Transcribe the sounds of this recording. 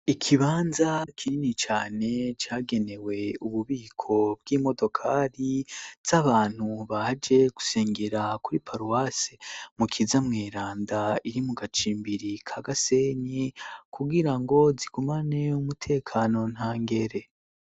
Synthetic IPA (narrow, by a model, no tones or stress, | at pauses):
ikʰiβaːnzakʰiinit͡ʃaːne̞t͡ʃaːɡe̞ne̞we̞uβuβiːkʰo̞b̚ɡiːmo̞do̞kʰaɾiz̥aβaːn̥huβad͡ʒe̞ɡ̥u̥seːŋɡeɾakuɾipʰaɾuwasemukʰizamŋeːɾaːndaiɾimuɡat͡ʃiːmbiɾikʰaɡase̞ɲekʰuɡiɾaŋɡo̞ziɡ̥umane̞umutʰe̞ːkʰano̞n̥haːŋɡe̞ɾe̞